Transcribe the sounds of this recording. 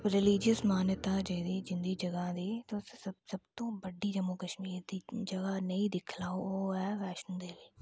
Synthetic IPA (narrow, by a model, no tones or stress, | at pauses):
ɾɪliːd͡ʒəsmaːnjət̪aːd͡ʒəd̪iːd͡ʒɪnd̪iːd͡ʒəɡãːd̪iːt̪osəsəbt̪õːbəɖiːd͡ʒəmoːkəʃmiːɾd̪iːd͡ʒəɡaːnəĩːd̪ɪkʰlaːooːɛːʋɛːʃənd̪eːli